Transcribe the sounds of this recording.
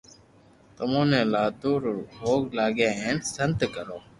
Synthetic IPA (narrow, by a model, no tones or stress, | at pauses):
t̪əmõːnẽːlaːd̪uːɾɦoːɡlaːɡẽːɦeːnsənt̪kəɾoː